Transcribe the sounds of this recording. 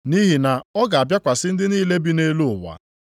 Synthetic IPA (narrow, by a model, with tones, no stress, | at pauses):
ni˦ɦi˨na˨ɔ˦ɡa˨a˨bja˦kʷa˨sɪ˦n̩˦dɪ˦niː˦le˦bi˦ne˦lu˦ʊ˨wa̰˨